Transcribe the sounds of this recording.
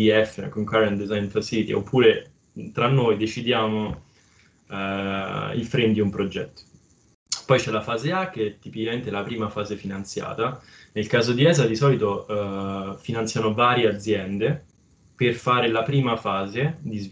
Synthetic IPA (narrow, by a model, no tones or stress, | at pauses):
iɛfːena̰koŋkarɛnt̪d̪ezajnfasilit̪ḭo̰pʰːuːɾe | t̪ɾanːoːjd̪et͡ʃid̪jaːmo | ḭlfɾend̪iumpɾod͡ʒɛ̰t̪ːo̥ | pɔjt͡ʃɛlafaːzeaket̪ːipikament̪eɛlapɾiːmafaːzefinant̪sja̰ːt̪a | nelkaːzod̪iɛːzad̪isɔːlit̪o | finant̪sjanovaːɾjead̪zːjɛnd̪e | perfaːɾelapɾiːmafaːzed̪iz